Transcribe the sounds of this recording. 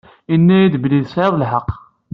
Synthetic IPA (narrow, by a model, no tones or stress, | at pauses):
inːæjid̪bliðsʕeðˤəlħəqː